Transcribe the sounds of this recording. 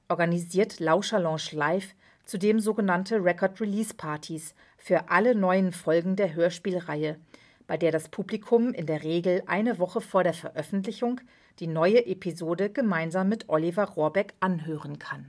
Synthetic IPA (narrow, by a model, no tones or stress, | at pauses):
ʔɔɐɡaniziːɐtlaʊʃɐlɑ̃ːʃlaɪf | t͡sudeːmzoːɡənantʰəʁɛkʰɔɐtʁiliːspʰaɐtʰis | fyːɐʔalənɔʏənfɔlɡŋ̩deːɐɦøːɐʃpiːlʁaɪə | b̥aɪdeːɐɾaspʰuːblikʰʊmɪ̰ndeːɐʁeːɡl̩ʔa̰ɪnəvɔχəfoːɐɾeːɐfɛɐʔœfn̩tlɪçʊŋ | d̥iːnɔʏəʔepʰizoːdəɡəmaɪnzaːmːɪtʔɔlivaʁoːɐbɛkʔanɦøːʁənkʰan